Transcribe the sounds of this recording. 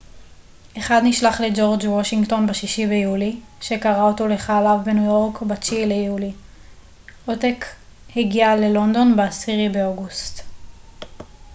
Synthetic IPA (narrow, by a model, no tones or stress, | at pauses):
ʔe̞χad̪niʃlaχled͡ʒo̞ʁd͡ʒwoʃiŋɡto̞nbeʃiʃibe̞juli | ʃe̞kaʁaoto̞le̞χaːlavbe̞nujo̞ʁkbat͡ʃilejuli | otekheɡiale̞lo̞nd̪o̞nbeasiʁibeoɡust